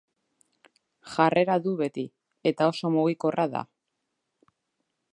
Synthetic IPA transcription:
ʝarʔe̞ɾaðuβe̞t̪i | e̞t̪ao̞so̞muɣiko̞rʔaða̰

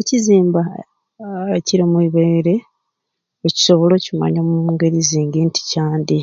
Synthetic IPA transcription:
eciziːmba | eciɾimwiːβeːɾe | eci̥so̞βo̞lo̞cima̰ɲomumuːŋɡe̞ɾiziːŋɡinti̥caːnd̪i

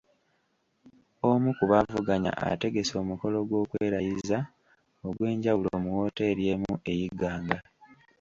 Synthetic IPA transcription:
omukuβavuɡaɲa̰ʔa̰te̞ɡe̞so̞ːmuko̞lo̞ɡwo̞ːkweːɾajiza | o̞ɡwe̞ːɲɟawuloːmuwo̞ːte̞ːɾje̞mue̞jiɡaːŋɡa

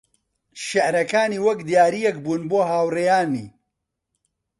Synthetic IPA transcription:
ʃɪʕɾɐkaːniːwɐkd̪ijaːɾijɛkbuːnboːɦaːwrejaːnḭː

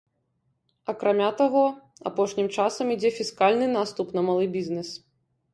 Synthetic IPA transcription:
ɐkɾamʲat̪aɣɔ | a̰pɔʂnʲimt͡ʂasɐmid͡zʲɛfʲiskalʲnɨn̪ast̪upnɐmalˠɨbʲiznɛs

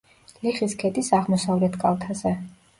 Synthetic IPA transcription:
liχiskʰɛd̪isaʁmɔsavlɛt̪ʰkʼalˠt̪ʰazɛ

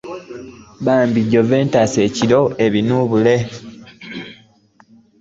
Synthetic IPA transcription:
βaːmbiɟːove̞ːntase̞ːciɾo̞e̞βinuːβule̞

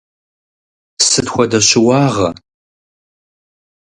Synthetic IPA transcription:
sɨtxʷɔdɐɕɪwɑːʁɐ

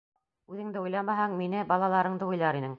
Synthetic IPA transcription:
ʉðɘ̆ŋd̪ɘujlˠɑmɑɦɑŋminɘbɑlˠɑlˠɑɾɤɴd̪ɤujlˠɑɾinɘŋ

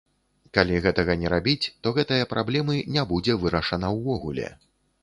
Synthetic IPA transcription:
kalʲiɣɛt̪ɐɣɐnʲɛɾabʲit͡sʲt̪ɔɣɛt̪ɨjɐpɾʔablʲɛmɨnʲɛbud͡zʲɛvɨɾɐʂɐnɐwvɔɣulʲɛ̰

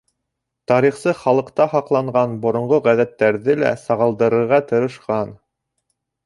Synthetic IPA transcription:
t̪ɑɾiχsɤχɑlˠɤ̆qt̪ɑhɑqlˠɑɴɢɑnbŏɾŏɴʁoʁæðæt̪ːæɾðɘlæ̰sɑʁɤ̆lˠd̪ɤ̆ɾɤ̆ɾʁɑt̪ɤ̆ɾɤ̆ʃqɑn

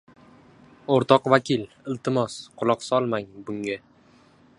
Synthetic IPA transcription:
oɾt̪ʰɒqvakʲʰɪl | ɪlt̪ʰɪmɒsqʰʊlˠɒqsɒlˠmaŋbʊŋa

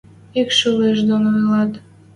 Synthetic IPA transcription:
ikʃuleʃd̪onojlɑt̪

